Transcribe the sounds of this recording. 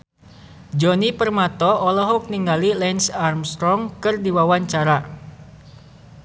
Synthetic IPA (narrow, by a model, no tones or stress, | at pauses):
d͡ʒɔnipərmat̪ɔʔɔlɔɦuk̚niŋɡalilɛnsarmst̪ɾɔŋkɨrdiwawaɲt͡ʃaɾa